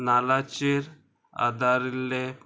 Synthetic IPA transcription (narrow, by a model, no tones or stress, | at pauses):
nalat͡ʃiɾ | a̰d̪aɾilːek